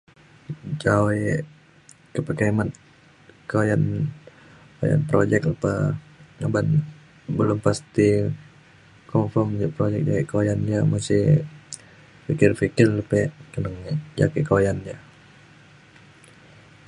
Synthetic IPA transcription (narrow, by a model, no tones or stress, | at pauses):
d͡ʒawe | kəpəkamat̪ | kojan | ko̰ja̰npɾod͡ʒɛk̚pə | ŋaban | bəlʊmpast̪i | kɔmfɔrmd͡ʒaʔpɾod͡ʒɛk̚d͡ʒakiʔkojand͡ʒamasɪ | fikɪrfikɪrləpɛʔkənəŋd͡ʒa̰kiʔkojand͡ʒa